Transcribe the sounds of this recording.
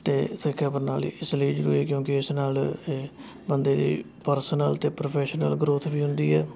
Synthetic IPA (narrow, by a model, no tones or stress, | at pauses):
t̪eːsɪkʰːaːpəɾna̰ːlḭːɪsliːd͡ʒəɾṵːɾɛːkjõːkɪɪsnaːl | bənd̪eːd̪ḭː | pəɾsənəlt̪eːpɾoːpʰɛːʃnəlɡɾʊt̪ʰbiːɦʊnd̪iːɛː